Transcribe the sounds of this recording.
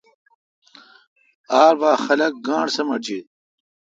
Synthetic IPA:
aːɾbaːxɐlɐk̚ɡãːɳsɐmɐt͡ɕit̪̚

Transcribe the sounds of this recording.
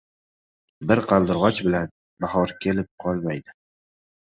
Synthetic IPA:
bɪɾqʰɑlˠd̪ɪɾʁɒt͡ʃbɪlan | bahɒɾkʲʰe̞lɪp̚qʰɒlˠmajd̪ɪ

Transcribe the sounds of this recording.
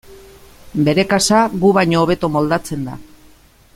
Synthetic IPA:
be̞ɾe̞kasaɣuβajɲo̞ːβ̞e̞t̪o̞mo̞ld̪at͡se̞nd̪a̰

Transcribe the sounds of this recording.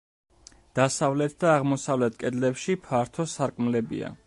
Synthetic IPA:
d̪̥asavlɛt̪̚ʰd̪aːʁmɔsavlɛt̪ʰkʼɛd̪lɛpʃipʰaɾt̪ʰɔsaɾkʼmlɛbḭa̰

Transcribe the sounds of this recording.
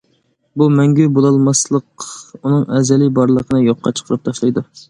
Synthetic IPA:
bumɛŋɡʲybolˠɑlˠmɑslˠəqunɨŋɛzɛlɪbɑɾlˠəqʰənɨjoqːɑ̰t͡ʃʰə̥qʰəɾɨp̚t̪ʰɑʃlˠɑjd̪u

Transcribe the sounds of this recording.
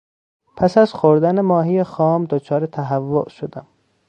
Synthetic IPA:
pʰæsæz̥xoɾd̪ænemɒːɦijexɒːmd̪ot͡ʃʰɒːɾet̪ʰæɦævːo̰ʔʃod̪æm

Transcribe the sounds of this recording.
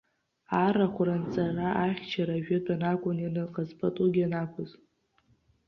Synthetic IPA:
araχʷrant͡sʼaraʔaχʲt͡ʃʰaɾaʒᶣadʼanakʷʼʊninɨqʼazpʰʼatʼuɡʲanakʷʰʊz

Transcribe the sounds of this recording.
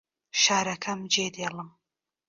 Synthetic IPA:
ʃaːɾɐkʰɐmd͡ʒeːd̪eːlɨm

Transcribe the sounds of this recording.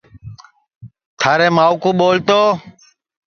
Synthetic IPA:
t̪ʰaːɾeːmaːukuːɓoːlt̪oː

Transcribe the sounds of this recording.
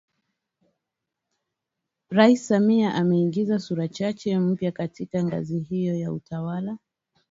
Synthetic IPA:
ɾaisːamiaʔamɛiŋɡizasuɾat͡ʃat͡ʃɛm̩pjakatikaŋɡa̰zihijɔjautawala

